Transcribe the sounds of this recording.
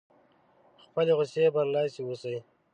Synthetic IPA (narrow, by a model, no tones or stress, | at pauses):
xpəleɣʊsebanlɑsiwusəj